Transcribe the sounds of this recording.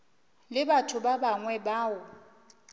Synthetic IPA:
lɪbatʰʊbabaŋwɛbaːʊ

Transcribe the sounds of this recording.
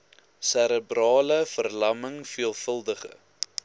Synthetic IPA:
sæɾəbrɑːləfərlɐməŋfiəlˠfəlˠdəχə̰

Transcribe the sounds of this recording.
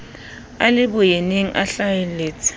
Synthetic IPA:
alɪbʊjeneŋ̩ʔa̰ɬajɛleːt͡sʼʰɪ̥

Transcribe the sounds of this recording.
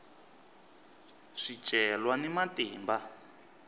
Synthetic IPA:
ʂi̥ʒ̥ʱʼɛlwanimatiːmba

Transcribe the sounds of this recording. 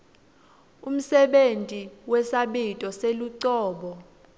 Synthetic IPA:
um̩sɛɓentʼiwɛsaɓitʼɔseluǀɔːɓɔ

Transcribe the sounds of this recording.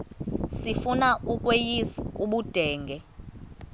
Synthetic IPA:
sifunaʔuk̬ʼwejisuɓud̥ʱɛːŋɡʱɛ

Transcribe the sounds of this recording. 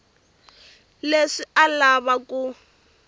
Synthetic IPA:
leʂialaβakʼu

